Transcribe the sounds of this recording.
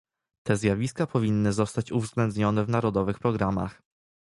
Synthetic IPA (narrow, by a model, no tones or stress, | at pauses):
t̪ɛzʲjavʲiskapʰɔvʲinːɘzɔst̪at͡ɕuvzɡlɛnd̪ɲɔnɛvnaɾɔd̪ɔvɘxpɾɔɡɾama̰x